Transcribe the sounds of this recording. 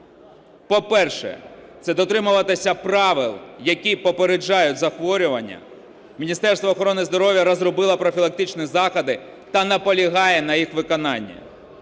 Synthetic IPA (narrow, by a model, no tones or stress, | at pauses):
pɔpɛrʃɛ̰t̪sɛd̪ɔt̪ɾɪmʊʋɐt̪ɪsʲɐpɾɑʋɪlˠjɐkʲijpɔpeɾed͡ʒːɑjʊtʲzɐxʋɔɾʲʊʋɐnʲːɐ̰ | mʲinʲist̪ɛrst̪ʋɐːxɔɾɔnɪzd̪ɔɾɔʋʲjɐɾɔzrɔbɪlˠɐpɾɔfʲilˠɐk̚t̪ɪt͡ʃnʲizɑxɐd̪ɪ | t̪ɐnɐpɔlʲiɦɑjɛnɐjixʋɪkɔnɑnʲːɐ̰